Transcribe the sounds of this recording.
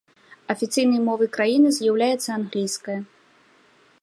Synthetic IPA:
ɐfʲit̪sɨjnɐjmɔvɨkɾajinɨzʲjawlʲajɛt̪sːɐanɣlʲijskɐjɐ

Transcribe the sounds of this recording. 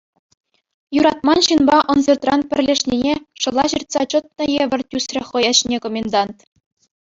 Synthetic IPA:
juɾɑt̪̚mɑnɕɯnbɑʔɤ̆nzɤrt̪rɑnpʲɘ̆rʲlʲeʂnʲinʲeʂɤ̆lˠɑʑɯrt̪sɑt͡ɕɤ̆t̪̚nɤ̆jeʋʲɘ̆rʲtʲysrʲɘ̆χɤ̆jɑɕnʲekomʲend̪ɑnt̪

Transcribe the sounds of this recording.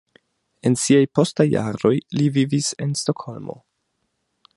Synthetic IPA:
e̞nsiajpo̞stajːa̰ɾo̞jlivivise̞nsto̞kho̞lmo̞̰

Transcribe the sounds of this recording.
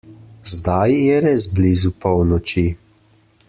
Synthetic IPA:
zd̪ajjɛɾezblizupɔwnɔt͡ʃi

